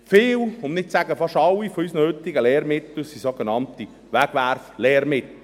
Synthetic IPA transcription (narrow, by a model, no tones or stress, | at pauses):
fɪːlʊmnɪt̚t͡sæɡəfɑʃɑlːifɔysnəhʏt̪iɡəlɛːɾmɪt̪l̩sisoɡ̥enɑnt̪i | ʋæɡ̥ʋærflɛːɾmɪt̪l̩